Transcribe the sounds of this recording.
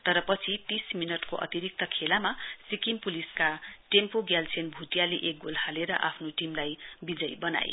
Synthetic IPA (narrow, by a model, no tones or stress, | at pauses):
t̪ʌɾʌpʌt͡sʰit̪isminʌʈkoʔʌ̰t̪iɾik̚t̪ʌkʰelamasikimpuliskaʈempoɡjalsʰenbʱuʈjaleʔek̚ɡolhaleɾʌ̰ʔapʰnoʈimlajbid͡zʌjbʌna̰jḛ